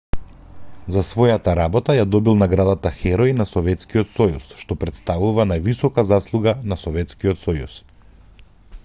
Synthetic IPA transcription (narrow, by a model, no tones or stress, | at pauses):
zasvɔjat̪aɾabɔt̪ajad̪ɔbilˠnaɡɾad̪at̪axɛɾɔjnasɔvɛt̪skiɔt̪sɔjṵsʃt̪ɔpɾɛt̪st̪avuvanajvisɔkazaslˠuɡanasɔvɛt̪skiɔt̪sɔjṵs